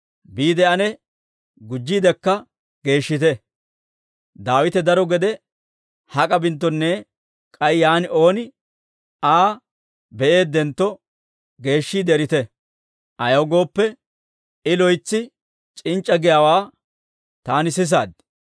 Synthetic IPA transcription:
biːd̪ɛɐnɛ | ɡʊd͡ʒːiːd̪ɛkːɐ | ɡ̥e̞ːʃːɪt̪ɛ | d̪aːwɪt̪ɛd̪ɐɾɔɡɛd̪ɛ | hɐkʼɐbɪnt̪̬ːɔnːɛ | kʼɐjjaːnɪo̞ːnɪ | aː | bɛʔe̞ːd̪ːɛnt̪ːɔ | ɡe̞ːʃːiːd̪ɛɾɪt̪ɛ | ʔɐjɐwɡo̞ːpːɛ | ɪlɔjt͡sːɪ | t͡ʃʼɪnt͡ʃʼːɐɡɪjaːwaː | t̪aːnɪsɪs̬aːd̪̚

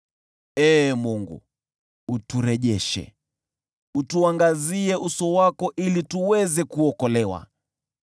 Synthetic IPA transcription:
ɛːmuŋɡṵ | utuɾɛʄɛʃɛ̰ | utuaŋɡaziɛʔusɔwakɔʔilituwɛzɛkuɔkɔlɛwa̰

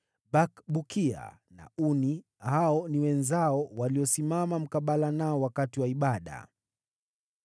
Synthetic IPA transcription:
bakɓukia̰ | na̰uni | haɔniwɛnzaɔwaliɔsimamam̩kaɓalanaɔwakatiwaiɓaɗa̰

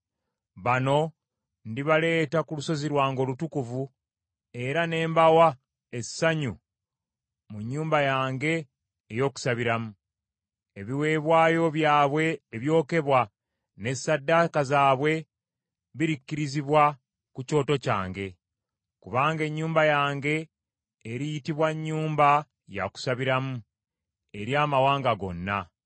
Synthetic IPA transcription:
βano̞ | ndiβale̞ːtakuluso̞ziɾwaːŋɡo̞ːlutukuvu | e̞ɾane̞ːmbawa | e̞saɲu | muɲːuːmbajaːŋɡe̞ː | jo̞ːku̥saβiɾamu | e̞βiwe̞ːβwaːjo̞βjaːβwe̞ːβjo̞ːke̞βwa | ne̞sadːakazaːβwe̞ | βiɾikːiɾiziβwa | kuco̞ːto̞ca̰ːŋɡe̞ | kuβaːŋɡe̞ɲːuːmbajaːŋɡe̞ː | ɾijitiβwaɲːuːmba | ja̰ku̥saβiɾamu | eɾjaːmawaːŋɡaɡo̞̰nːa

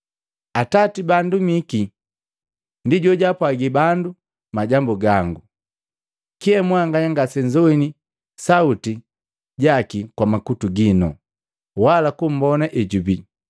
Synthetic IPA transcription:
atatibandumiki | ndiɟɔɟapwaɡibandu | maɟambuɡaŋɡu | kiɛmwaŋɡaɲaŋɡasɛɲd͡ʒɔini | sauti | ɟakikwamakutuɡinɔ̰ | walakum̩bɔnaʔɛɟubi

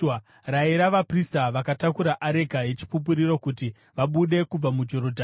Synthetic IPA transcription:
raiɾaʋapristaʋakatakuɾaʔaɾe̞ɡʱaje̞t͡ʃi̥pup̬uɾiɾo̞kuti | ʋaɓuɗe̞kub͡vamud͡ʒo̞ɾo̞dʱa

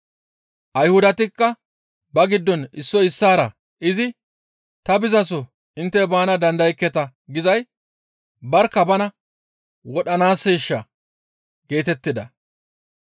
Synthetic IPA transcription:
ʔɐjhʊd̪ɐt̪ɪkːɐ | bɐɡɪd̪ːɔnɪsːɔɪsːaːɾɐ | ʔɪzɪ | t̪ɐbɪzɐs̬ɔ | ɪnt̪ːɛbaːnɐd̪ɐnd̪ɐjɪkːɛt̪ɐ | ɡɪzɐj | bɐɾkːɐbɐnɐ | wɔɗɐnaːsːeːʃːɐ | ɡ̥e̞ːt̪ɛt̪ːɪd̪ɐ

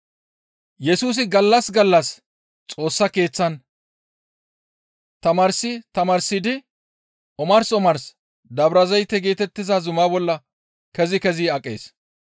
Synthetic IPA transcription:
jɛsuːs̬ɪɡɐlːɐsɡɐlːɐs | t͡sʼo̞ːsːɐke̞ːt͡sːɐn | t̪ɐmɐɾsɪt̪ɐmɐɾsɪd̪ɪ | ʔɔmɐɾsɔmɐɾs | d̪ɐbɾɐzɐjt̪ːɛɡe̞ːt̪ɛt̪ːɪzazʊmaːbɔlːɐ | kɛzɪkɛziɐkʼːe̞̰ːs

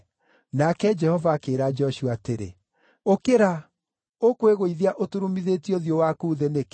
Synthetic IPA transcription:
nakɛd͡ʒɛhɔvaːkeːɾad͡ʒɔʃwateɾḛ | okeɾa | okweɣoiðeaʔotuɾumiðetioðjowakuðenek

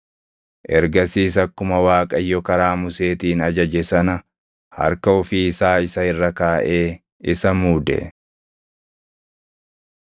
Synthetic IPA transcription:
ʔɛɾɡɐsiːs̬ɐkːʊmɐwaːkʼɐjːɔkɐɾaːmʊse̞ːt̪iːnɐd͡ʒɐd͡ʒɛsɐnɐ | hɐ̰ɾkɐʊfɪːsaːɪsɐhɪrːɐkaːʔe̞ː | ɪsɐmuːd̪ɛ̰

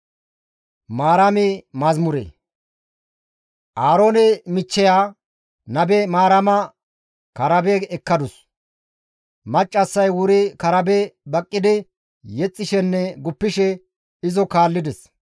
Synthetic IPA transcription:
maːɾɐmɪmɐzmʊɾḛː | ʔaːɾo̞ːnɛmɪt͡ʃːɛjaː | nɐbɛmaːɾɐmɐ | kɐɾɐbɛɛkːɐd̪ʊs | mɐt͡ʃʼːɐsːɐjwʊɾɪkɐɾɐbɛbɐkʼːɪd̪ɪ | jɛt͡sʼːɪʃɛnːɛɡʊpːɪʃɛ | ɪzɔkaːlːɪd̪ɛs

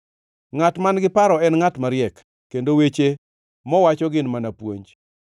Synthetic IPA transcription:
ŋatmanɡɪpaɾɔɛnŋatmaɾɪjɛkː | endowet͡ʃe | mɔwat͡ʃɔɡɪnmanapwo̰ɲd͡ʒ

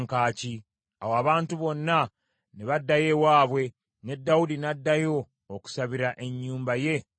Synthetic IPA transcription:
ŋkaːci | a̰woaβaːntuβo̞nːa | neβadːaje̞waːβwe̞ | ne̞dːawudinadːajo̞ː | ku̥saβiɾaʔe̞ɲːuːmbaje̞

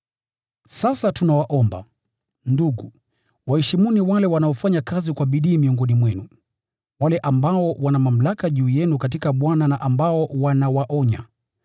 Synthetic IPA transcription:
sasatunawaʔɔmba̰ | nduɡu | wahɛʃimuniwalɛwanaɔfaɲakazikwaɓiɗiːmiɔŋɡɔnimwɛnu | walɛʔambaɔwanamam̩lakaʄuːjɛnukatikaɓwananaʔambaɔwanawaʔɔɲa̰

